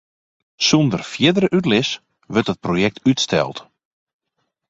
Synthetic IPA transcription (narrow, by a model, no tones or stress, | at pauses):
sundərfjɪdərəʔytlɪs | ʋørtət̚projɛk̚tytstʰɛ̰lˠt